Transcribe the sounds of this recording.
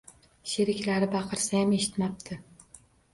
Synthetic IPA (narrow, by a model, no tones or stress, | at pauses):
ʃeɾɪkʲlaɾɪbɑqʰɨɾsajame̞ʃɪ̥t̪map̚t̪ʰɪ